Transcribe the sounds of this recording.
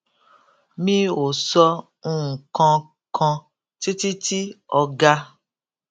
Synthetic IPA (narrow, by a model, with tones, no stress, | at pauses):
mĩ˦o˨sɔ˧ | ũ˦˨ŋ̩˨kɔ̃˧ | kʰɔ̃˧ | ti˦ti˦ti˦ɔ˧ɡa˧